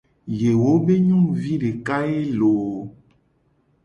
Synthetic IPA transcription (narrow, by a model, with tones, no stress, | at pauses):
je˨wo˦be˦ɲũ˦mvi˦ɖe˨ka˦e˦lo˨